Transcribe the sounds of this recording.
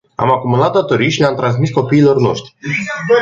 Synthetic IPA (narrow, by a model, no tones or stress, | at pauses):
a̰makumulat̪̚d̪at̪o̞ɾiʃieamt̪ɾans̬misko̞piːlo̞rno̞̰ʃt̪ɾi